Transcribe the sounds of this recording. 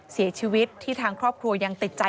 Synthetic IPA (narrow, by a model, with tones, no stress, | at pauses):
si˨˩˦t͡ɕʰiː˧wi˦˥t̪ʰːiː˥˩t̪ʰaː˧ŋkʰɾɔː˥˩p̚kʰɾu˧ɐja˧ŋt̪i˨˩t̪̚t͡ɕa˧